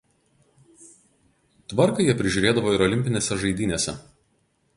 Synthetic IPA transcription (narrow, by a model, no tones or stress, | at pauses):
t̪ʋɐɾkɐjiɛpʲɾʲɪʒʲʊɾʲeːd̪ɐʋoːɪɾɔlʲɪmʲpʲɪnʲeːsʲɛʒɐɪd̪ʲiːnʲeːsʲɛ̰